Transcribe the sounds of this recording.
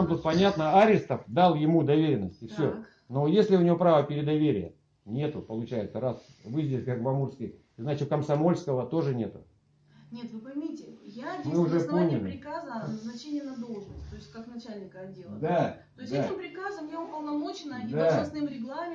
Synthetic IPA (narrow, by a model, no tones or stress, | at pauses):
amt̪ut̪̚pɐnʲat̪nəaɾʲɪst̪əfd̪alˠjɪmud̪ɐvʲeɾʲɪnːəsʲtʲɪfsʲo | no̞jesʲlʲɪʊnʲɪvʲjo̞pɾavəpʲɪɾʲɪd̪ɐvʲeɾʲɪjə̰ | nʲe̞t̪ʊpəlˠʊt͡ɕæjɪt̪səɾas | vɨzʲdʲɪsʲkakvɐmurskʲɪj | znat͡ɕɪkəmsɐmo̞lʲskəvət̪o̞ʐɨnʲe̞t̪ʊ | nʲe̞t̪vɨpɐjmʲitʲɪjamɨʊʐɛponʲɪlʲpɪɾʲɪkazəɐnəznɐt͡ɕenʲɪjənɐd̪olˠʐnəsʲtʲt̪oɪsʲtʲkaknɐt͡ɕælʲnʲɪkəɐdʲːelˠd̪atoɪsʲt̪d̪asɪpɾʲɪkazəmnʲeʊpəlˠnɐmo̞t͡ɕɪnəɐnʲd̪aɐsnɨmɾʲɪɡlˠamʲɪ